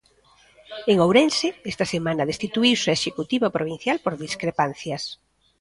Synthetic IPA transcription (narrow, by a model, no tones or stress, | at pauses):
eŋowɾensɪɛst̪ɐsemanɐðest̪it̪uiwseʃekut̪iβapɾoβ̞in̟θjalpoɾðiskɾepan̟θjɐs